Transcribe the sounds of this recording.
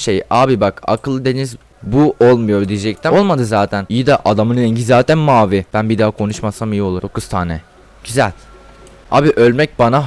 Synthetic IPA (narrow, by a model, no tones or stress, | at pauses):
ʃejaːbibaka̰kʰɯlˠɯd̪e̞niz | buʔo̞lˠmujo̞ɾd̪ijed͡ʒɛc̚t̪ʰæolˠmad̪ɯzaːt̪ʰænijid̪aʔad̪amɯnlɛɲɟizaːt̪ʰænmaːvib̥ænbid̪aːakʰo̞nuʃmasamijio̞lˠuo̞kʰuz̥t̪ʰaːnɛ | ɟ̥yzælʲ | a̰ːbiʔø̞lʲmɛc̚bana